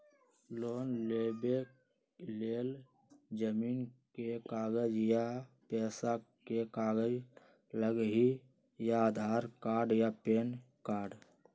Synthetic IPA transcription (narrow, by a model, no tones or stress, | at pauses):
loːnlebe | leːl | d͡ʒəmiːnkekaːɡəd͡ʒjapɛːsakekaːɡəd͡ʒ | ləɡɦi | jaːd̪ʱaːɾkaːɾɖjapeːn | kaːɾɖ